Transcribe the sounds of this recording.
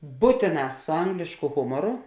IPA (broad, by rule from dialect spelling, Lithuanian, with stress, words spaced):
ˈbuːtʲeːˌnɐ sʊ ˈɐŋɡlʲeːʃkʊ ˈɣʊmoːrʊ